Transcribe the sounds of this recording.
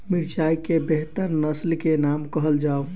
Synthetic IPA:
miɾt͡ʃaikebeɦt̪əɾnəslkenamkəɦəld͡ʒao

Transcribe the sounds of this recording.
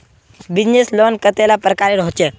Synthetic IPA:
bid͡ʑneslonkət̪elapɾəkaɾeɾɔɦt͡ʃe

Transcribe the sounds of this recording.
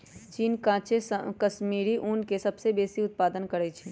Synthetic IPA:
t͡ʃiːnkãːt͡ʃeskɐʃmiːɾiʔuːnkesɐbsebeːsiʊt̪̚paːd̪ənkɐɾɛt͡ʃʰi

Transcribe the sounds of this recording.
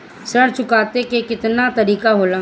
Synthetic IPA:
səɽt͡ʃʊkaːt̪ekekɪt̪nat̪ɐɾiːkaɦoːlaː

